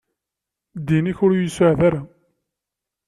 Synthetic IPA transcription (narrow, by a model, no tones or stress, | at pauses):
d̪ːiniçʊɾjjsəʕðaɾa